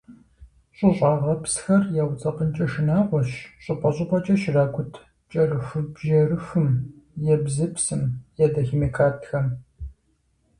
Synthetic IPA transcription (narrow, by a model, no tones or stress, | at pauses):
ɕʼɪɕʼaːʁɐpsxɐrjawʷt͡sʼɐqənt͡ʃʼɐʃɪnaːʁʷɔɕɕʼʊpʼɐɕʼɪpʰʼɐt͡ʃʼɐʃɪraːɡʷʊtʰ | t͡ʃʼɐrɨxɨbʒɐrɨxɨm | jɛbzɨpsɨmjɛdɐximeːkʰaːtxɐm